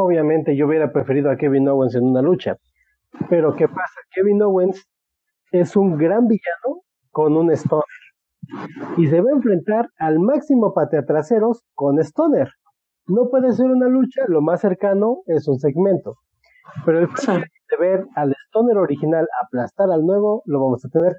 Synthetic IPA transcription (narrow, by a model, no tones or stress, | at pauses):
oβjamẽ̞nt̪e̞ʝouβje̞ɾapɾe̞fe̞ɾiðoakeβinowens̬e̞nunalut͡ʃa̰ | pe̞ɾo̞ke̞pasakeβinowens | e̞suŋɡɾambiʝano̞ | ko̞nune̞st̪o̞neɾ | is̬e̞βaeɱfɾe̞nt̪aɾalmaksimo̞pat̪eat̪ɾase̞ɾo̞sko̞ne̞st̪o̞ne̞ɾ | no̞pwe̞ðes̬e̞ɾunalut͡ʃalo̞masːe̞ɾkano̞e̞suns̬e̞ɣmẽ̞nt̪o̞ | pe̞ɾo̞esposiβleked̪eβe̞ɾale̞st̪o̞ne̞ɾo̞ɾixinalaplast̪aɾalnwe̞βo̞lo̞βamo̞sat̪e̞ne̞ɾ